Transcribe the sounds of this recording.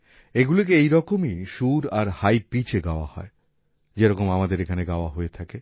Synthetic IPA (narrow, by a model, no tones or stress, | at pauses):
eɡulik̬eejɾɔkomiʃuɾaɾhajpit͡ɕʰeɡaoa̰hɔ̰e | d͡ʑeɾɔkomamad̪eɾekʰaneɡaoaɦoet̪ʰake